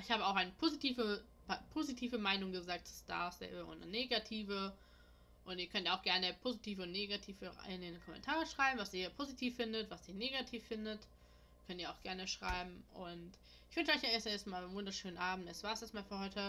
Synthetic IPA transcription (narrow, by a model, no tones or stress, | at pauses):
ɪçhaːbəaʊxaɪnəpʰozitʰiːvə | pʰoːzitʰiːvəmaɪnʊŋɡəzaːk̚tːu̥sta̰ːɐsɛ̰ːbəʔʊ̰nəneːɡatʰiːvə | ʔʊntiːɐkʰœntjɐaʊxɡ̥ɛɐnəpʰoːzitʰiːvəʊntneɡatʰiːfəa̰ɪnenkʰɔmɛ̰ntʰaːʁəʃʁ̥aɪbm̩vasiːɐpʰoːzitʰiːfːɪndətv̥asʔiːɐneːɡatʰiːfːɪndət | kʰœntiːɐaʊxɡ̥ɛɐnəʃʁ̥a̰ɪbm̩ʔʊnt | ɪçv̥ʏnʃəʔɔʏçjaɛɐsɛɐstmaːlnvʊndɐʃøːnənʔaːbm̩tɛsv̥aːɐsɛɐstmaːlfyːɐhɔʏtə